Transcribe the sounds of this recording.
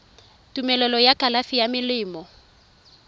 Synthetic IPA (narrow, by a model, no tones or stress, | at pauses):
tʼumɛlɛlɔjakʼalafijamɪlɪːmɔ